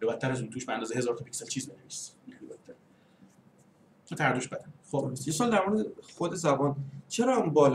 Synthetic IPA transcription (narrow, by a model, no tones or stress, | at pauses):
ɾebæt̪̚ʰːæɾæzunt̪ʰuːʃbeænd̪ɒːzehe̞zɒːɾt̪ʰɒpʰi̥cʲselt͡ʃʰiːzbenevisinibæt̪t̪ʰːæɾ | t̪ʰæɾd̪oʃbæd̪ænojesɒːld̪æɾmoɾed̪exod̪e̞zæbɒːnt͡ʃʰeɾɒmbɒːl